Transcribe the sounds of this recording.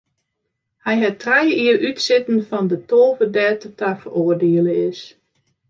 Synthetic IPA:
hɛjɦɛtrɛjiərʔytsɪtən̩fɔndətoːvədɛːtətʰafəroərdeələɪs

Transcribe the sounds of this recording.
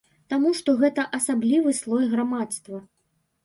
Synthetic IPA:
t̪amuʂt̪ɔɣɛt̪ɐʔɐsablʲivɨslˠɔjɣɾamat̪st̪vɐ

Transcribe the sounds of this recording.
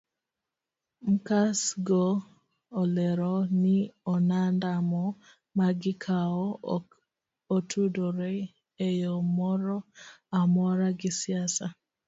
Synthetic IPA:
m̩kasɡoː | lɛɾɔnɪɔnandamɔ | maɡɪkʰaɔ | otʰudoɾe | ejomɔɾɔamɔɾaɡɪsɪasa

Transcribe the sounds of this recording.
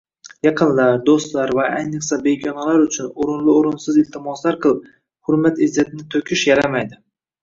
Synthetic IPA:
jɑqʰɨnlaɾd̪ost̪laɾvaajnɨqsabeɡʲɒnalaɾʊt͡ʃʰʊnoɾɪnlɪoɾʊnsɪzɪlt̪ʰɪmɒslaɾqʰɨlˠɪp̚ | hʊɾmat̪ɪzːat̪ʰɪnɪt̪ʰokʲʰɪʃjaɾamajd̪ɪ

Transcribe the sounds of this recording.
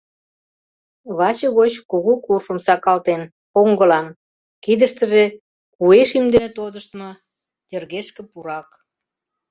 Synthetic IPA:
βɑt͡ɕɤɣot͡ɕkuɣukurʃə̆msɑkɑlt̪en | koŋɡə̆lɑn | kid̪əʃt̪ə̆ʒe | kueʃimd̪enet̪od̪əʃt̪mɤ | t̪erɣeʃkĕpuɾɑk

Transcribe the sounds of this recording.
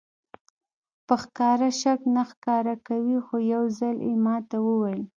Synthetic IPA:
pəxkɑɾaʃaknaxkɑɾakawixojawzaljḛmɑt̪awəwajl

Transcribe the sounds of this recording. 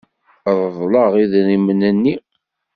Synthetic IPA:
ðˤəðˤləʁiðɾimənənːi

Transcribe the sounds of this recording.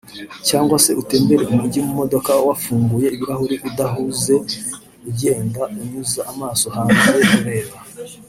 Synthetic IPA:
caːŋɡwase̞ʔute̞ːmbe̞ɾe̞umuɟimumo̞do̞kawafuːŋɡuje̞iβiɾahuɾiʔudaɦuze̞ | uɟe̞ːndauɲuzaːmaːso̞haːnzekuɾe̞ːβa

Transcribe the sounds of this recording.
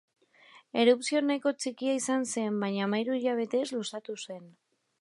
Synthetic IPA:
e̞ɾupsio̞najko̞t͡ʃikiaisanse̞mbaɲaːmajɾuiʎaβ̞e̞t̪e̞zlusat̪use̞n

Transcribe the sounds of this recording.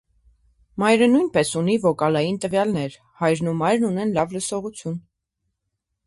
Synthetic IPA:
mɑjɾənujnpɛsunivɔkɑlɑjint̪əvjɑlnɛɾ | hɑjɾnumɑjɾnunɛnlɑvləsɔʁut͡sʰjun

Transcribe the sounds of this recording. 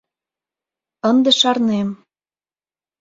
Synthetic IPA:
ənd̪ĕʃɑrnem

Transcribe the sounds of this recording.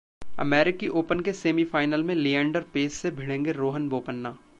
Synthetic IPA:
ɐ̰mɛːɾɪkiʔoːpənkeseːmifaːɪnəlmẽlijɛ̃ːɳɖəɾpeːsːebʱɪɽẽːŋɡeɾoːɦənboːpənːaː

